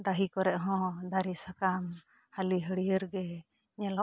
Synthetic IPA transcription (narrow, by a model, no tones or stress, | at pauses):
d̪aɦikɔɾɛʔɦɔ̃d̪aɾisakam | haliɦəɽiəɾɡɛ | ɲala